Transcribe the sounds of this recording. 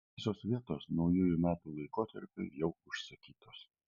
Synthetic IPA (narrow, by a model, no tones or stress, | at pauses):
ɪsoːsʋʲiɛt̪oːsnɒʊjuːjʊmʲæːt̪uːlˠɐɪkoːt̪ɐ̰ɾʲpʲʊ̰jɛʊʊʃʲsʲɐkʲiːt̪oːs